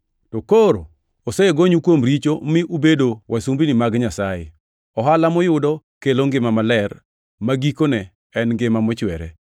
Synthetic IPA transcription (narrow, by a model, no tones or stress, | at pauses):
tɔkoɾ | oseɡoɲukwomɾit͡ʃomɪʔubedowʔasumbinɪmaɡɲasajḛ | ɔɦalamɔjʊdɔ | keloŋɡɪmamalɛr | maɡikonɛ | ɛnɡɪmamɔt͡ʃwɛɾɛ̰